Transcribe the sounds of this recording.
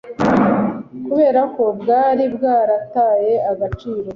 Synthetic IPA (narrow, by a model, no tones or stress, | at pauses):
kuβe̞ːɾako̞bɡaːɾibɡaːɾataːje̞aɡat͡ʃiːɾo̞